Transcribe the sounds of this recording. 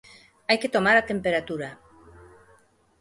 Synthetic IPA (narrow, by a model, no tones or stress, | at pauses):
ajket̪omaɾat̪empeɾat̪uɾa